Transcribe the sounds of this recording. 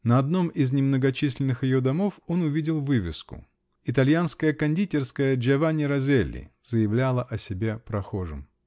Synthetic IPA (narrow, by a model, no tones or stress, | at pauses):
nɐɐd̪no̞mɪznʲɪmnəɡɐt͡ɕisʲlʲɪnːɨxjɪjo̞d̪ɐmo̞fo̞nʊvʲidʲɪlˠvɨvʲɪ̰skʊ̰ | ɪt̪ɐlʲjanskəjəkɐnʲdʲitʲɪrskəjəd͡ʒɛvanʲɪɾɐzʲelʲːɪ̰z̥əjɪvlʲalˠəʔɐsʲɪbʲe̞pɾɐxo̞ʐɨ̰m